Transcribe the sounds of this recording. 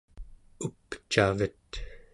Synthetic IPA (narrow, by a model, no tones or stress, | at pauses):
upt͡ʃavət̪